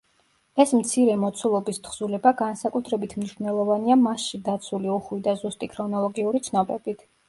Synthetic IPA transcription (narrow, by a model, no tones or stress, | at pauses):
ɛsmt̪sʰiɾɛmɔt̪sʰulˠɔbist̪χz̥ulɛbaɡansakʼut̪ʰɾɛbit̪ʰmniʃvnɛlˠɔvaniamasʃid̪at̪sʰuliuχwid̪azust̪ʼikʰɾɔnɔlˠɔɡiuɾit̪sʰnɔbɛbit̪ʰ